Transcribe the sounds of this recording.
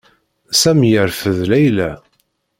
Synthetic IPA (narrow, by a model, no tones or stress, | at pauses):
sæmjəɾfəðlæjlæ